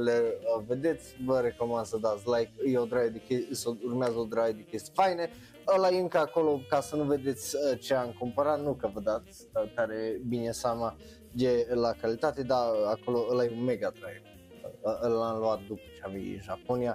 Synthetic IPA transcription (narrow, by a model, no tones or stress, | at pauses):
leəved̪et̪sʲvəɾekomand̪səd̪at̪slajkjeod̪ɾajed̪ekeəsourmazəod̪ɾajd̪ekest̪fajne | əlajeɨŋkəakolokasənuved̪et̪sʲət͡ʃeaŋkompaɾat̪nukəvəd̪at̪sʲ | əkaɾebinesama | j̪elakalit̪at̪ed̪aakoloəlajeumeɡad̪ɾaj | əlamluat̪̚d̪upə̥t͡ʃeavḭʒaponija